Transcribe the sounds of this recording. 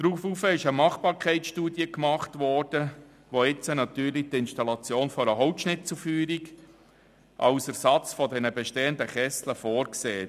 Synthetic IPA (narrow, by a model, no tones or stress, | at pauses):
d̥ɾuːfufəɪʃəmɑχb̥ɑːɾkʰɛɪt͡sʃtuːdjəkmɑχtvɔːɾd̥ə | ʋoɪt͡sənɑtyːɾlitɪnʃtɑlɑt͡sjoːnfɔɾəɦɔʊtʃnɪt̚t͡sufyːɾiɡ | ʔɑ̰ʊsəɾsɑt͡sfɔdɛnəbɛʃteːəndəχɛsləfoːɾkseː